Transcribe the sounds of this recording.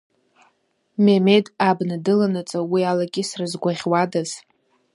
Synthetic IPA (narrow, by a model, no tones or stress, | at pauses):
memedabnadɨlanɨt͡sʼawialaɡʲʼɪsrɨzɡʷaʁʲwadaz